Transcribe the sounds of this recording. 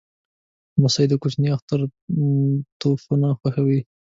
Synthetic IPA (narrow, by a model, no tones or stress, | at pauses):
masɑɪd̪akʊt͡ʃniaxt̪aɾ | t̪ofunaxwaxawi